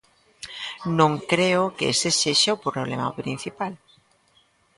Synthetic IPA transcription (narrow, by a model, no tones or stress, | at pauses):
nõŋkɾeokeḛseseʃaopɾloβlḛma̰pɾĩn̟θipal